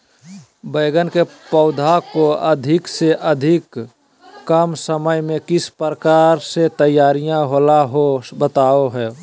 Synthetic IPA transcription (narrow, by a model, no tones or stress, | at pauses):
bəɪɡənkepəʊd̪ʱakoəd̪ʱɪkseʔəd̪ʱɪkː | əmsəməjmẽkɪspɾəkaːɾset̪əjaːɾijãɦolaɦobət̪aːoɦɛː